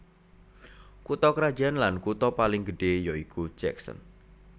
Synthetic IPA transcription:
kut̪ɔkɾḁd͡ʒanlankut̪ɔpalɪŋɡəɖ̥ejɔikut͡ʃɛ̰ksə̰n

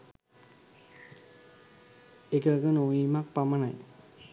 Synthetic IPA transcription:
ekəkənoʋiːmak̚pamənaj

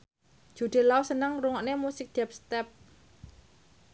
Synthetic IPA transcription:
d͡ʒ̥ṳd̪̥e̤lausənəŋruŋɔʔnemusɪk̚d̪̥ɛp̚st̪ɛp̚

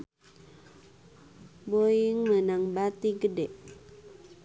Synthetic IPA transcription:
boiŋmənaŋbat̪iɡədɛʔ

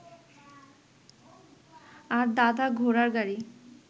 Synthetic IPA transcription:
aɾd̪ad̪aɡʱoɾaɾɡaɾi

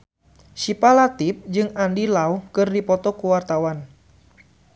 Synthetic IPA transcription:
ʃipalat̪ip̚d͡ʒɨŋandilaukɨrdipɔt̪ɔkuwart̪awan

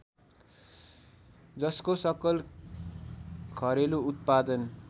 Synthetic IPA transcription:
d͡zʌskosʌkʌl | kʰʌɾeluut̪̚pad̪ʌn

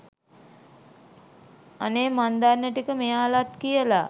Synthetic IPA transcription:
aneːmand̪arːəʈikəmejaːlat̪kijəla

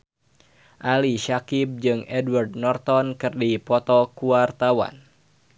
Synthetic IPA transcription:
ʔaliʃakip̚d͡ʒɨŋɛdward̚nɔrt̪ɔnkɨrdipɔt̪ɔkuart̪awa̰n

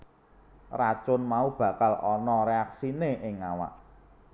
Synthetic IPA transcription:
rat͡ʃʊnmaub̥ä̤kalɔnɔɾeaksineʔɪŋawa̰ʔ

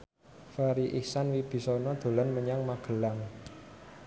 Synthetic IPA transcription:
faɾiʔihsanwib̥i̤sɔnɔd̪̥o̤lanməɲaŋmaɡ̥ə̤laŋ

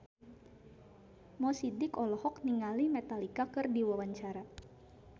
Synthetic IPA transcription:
mɔsidɪkɔlɔhɔkniŋalimɛt̪alikakɨrdiwawaɲt͡ʃaɾa

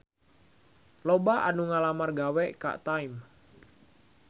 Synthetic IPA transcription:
lobaʔa̰nuŋalamarɡawɛʔka̰ʔt̪ajm

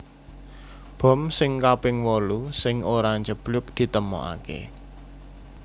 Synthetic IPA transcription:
b̥ɔ̤msɪŋkapɪŋwɔlusɪŋoɾaɲd͡ʒəb̥lʊp̚d̪̥i̤t̪əmɔ̰ʔa̰kḛ

